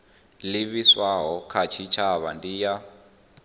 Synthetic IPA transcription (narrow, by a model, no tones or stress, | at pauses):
liβiswaɦɔkʰat͡ʃʰit͡ʃʰaβandija